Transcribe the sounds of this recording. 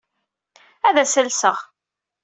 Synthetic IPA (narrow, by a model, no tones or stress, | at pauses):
æðæsəlsəʁ